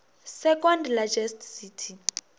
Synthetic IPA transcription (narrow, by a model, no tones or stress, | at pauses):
sɛkʼɔndlad͡ʒɛstsiːtʰi